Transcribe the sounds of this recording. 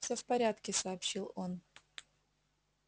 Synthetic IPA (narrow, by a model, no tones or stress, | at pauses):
fsʲofpɐɾʲat̪kʲɪsɐːpɕilˠo̞n